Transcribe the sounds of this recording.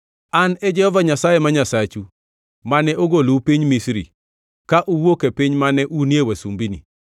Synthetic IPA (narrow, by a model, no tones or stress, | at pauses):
anɛd͡ʒɛhɔvaɲasajemaɲasat͡ʃu | manɛʔoɡolupiɲmisɾḭ | kaʔuwokepiɲmanɛʔunjewasumbinḭ